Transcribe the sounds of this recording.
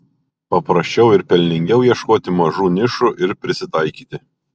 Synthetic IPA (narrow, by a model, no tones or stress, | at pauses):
pɐpɾɐsʲt͡ʃʲɛʊɪɾpʲɛlʲnʲɪŋʲɡʲɛʊjiɛʃkoːt̪ʲɪmɐʒuːnʲɪʃuʔɪɾpʲɾʲɪsʲɪt̪ɑɪkʲiːt̪ʲɪ